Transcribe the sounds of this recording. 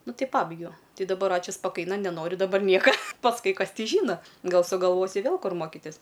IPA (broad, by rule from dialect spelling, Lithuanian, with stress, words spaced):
ˈnʊ ˈtɐɪ ˈpɑːbɐɪɡʲɛʊ ˈtʲɪ dɐˈbɐr ˈɑːt͡ʃʲʊ spɐˈkɐɪnɐ nʲɛˈnoːrʲʊ dɐˈbɐr ˈnʲiɛkɐ pɐsˈkʊɪ ˈkɐs ˈtʲɪ ˈʒʲiːnɐ ˈɡɐlˠ sʊɡɐlˠˈʋoːsʲʊ ˈʋʲeːlˠ ˈkʊr ˈmoːkʲɪtʲɪs